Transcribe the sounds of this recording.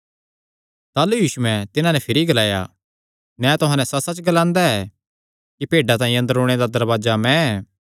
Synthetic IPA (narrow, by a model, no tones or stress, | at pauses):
t̪aːlujuːʃʊɛ̃t̪ɪnãnɛpʰɪɾiɡɐlaːja̰ | nɛ̃ːt̪ʊɦãːnɛsɐsɐt͡ʃɡɐlãːnd̪aɛ | kipeːɖat̪ãːĩɐ̃nd̪əɾoːɽ̃ed̪ad̪ɐɾbaːd͡ʒamɛ̃ɛː